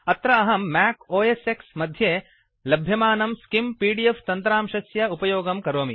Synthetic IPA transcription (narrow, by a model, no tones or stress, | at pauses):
ɐt̪ɾɐɐɦɐmːæːkoːeseksmɐd̪ʱjeː | lɐbʱjɐmaːnɐmskimpiːɖieft̪ɐnt̪ɾaːmʃɐsjɐupɐjoːɡɐmkɐɾoːmḭ